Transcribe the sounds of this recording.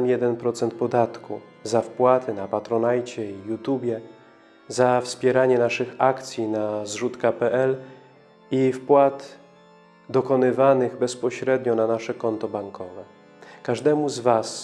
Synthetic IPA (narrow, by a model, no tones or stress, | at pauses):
mjɛd̪ɛnpɾɔt̪sɛnt̪̚pɔd̪at̪kṵ | zafpwat̪ɘnapat̪ɾɔnajt͡ɕɛijut̪ubʲjɛ | zafspʲjɛɾaɲɛnaʂɘxakt̪sʲjinazʐut̪kapɛʔɛl | ifpwat̪ | d̪ɔkɔnɘvanɘɣbɛspɔɕɾɛd̪ɲɔnanaʂɛkɔnt̪ɔbaŋkʰɔvɛ | kaʐd̪ɛmuzvas